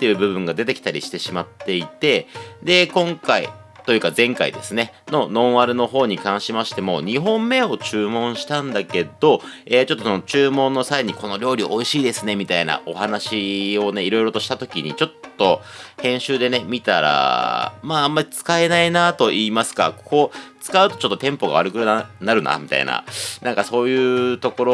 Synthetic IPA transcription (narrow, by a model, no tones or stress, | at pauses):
t̪ːe̞jɯ̟ːbɯ̟bɯ̟̃ŋɡad̪e̞t̪e̞kʲi̥t̪aɾʲiɕi̥t̪e̞ɕimat̪ːe̞it̪e̞d̪e̞kõ̞ŋkaḭ | t̪o̞jɯ̟ːkazẽ̞ŋka̰ḭd̪e̞sɨne̞ | no̞nõ̞ɰ̃βaɾɯ̟no̞ɦo̞ːɲ̟ikãɰ̃ɕimaɕi̥t̪e̞mo̰ːɲ̟iɦõ̞mːe̞ːo̞t͡ɕɨːmõ̞ɰ̃ɕi̥t̪ãnd̪ake̞d̪o̞eːt͡ɕo̞t̪ːo̞sonot͡ɕɨːmõ̞nːo̞saiɲ̟iko̞no̞ɾʲo̞ːɾʲiʔo̞iɕiːd̪e̞sɨne̞mʲit̪aina̰o̞hanaɕio̞ne̞iɾo̞iɾo̞t̪o̞ɕi̥t̪at̪o̞kʲiɲ̟it͡ɕo̞t̪ːo̞ | hẽ̞ɰ̃ɕɨːd̪e̞nemʲit̪aɾa̰maːamːaɾʲit͡sɨ̥kae̞nainat̪o̞ʔiːmasɨ̥ka̰kʰot͡sɨ̥kaɯ̟t̪o̞̥t͡ɕo̞t̪ːo̞t̪ẽ̞mpo̞ɡa̰aɾɯ̟kɯɾɯnanaɾɯ̟na̰mʲit̪a̰ḭna̰nãŋkaso̞ːjɯːt̪o̞ko̞ɾo